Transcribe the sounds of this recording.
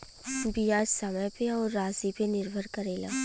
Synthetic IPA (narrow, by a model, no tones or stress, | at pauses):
bijaːd͡ʒsəməjpeɔːɾːaːzipenɪɾbʱəɾkəɾeːla̰ː